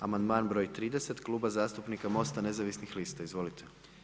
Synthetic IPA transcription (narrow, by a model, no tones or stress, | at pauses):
amand̪maːnbɾo̞jt̪ɾiːd̪ese̞t̪klˠuːbazaːst̪upnikamo̞st̪ane̞zaʋisnixliːst̪aizʋo̞lit̪ʰe